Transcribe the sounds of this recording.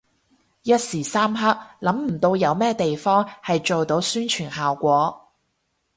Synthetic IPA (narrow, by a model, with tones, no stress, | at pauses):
jɐ˥t̚siː˨˩saː˥mɦɐ˥k̚lɐ˨˥mm̩˨˩t̪o˧wjɐ˨˧wmɛː˥t̪e˨jfɔː˥ŋhɐ˨jt͡ʃo˨wt̪o˨˥wsyː˥nt͡ʃʰyː˨˩nhaː˨wkʷɔː˨˥